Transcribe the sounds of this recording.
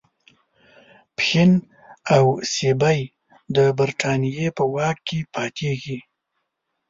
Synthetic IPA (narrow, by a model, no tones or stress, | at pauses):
pxɪn | awsebaj | d̪əbaɾʈ̪ʰɑnijepəwɑkkːepʰɑt̪ʰeɡi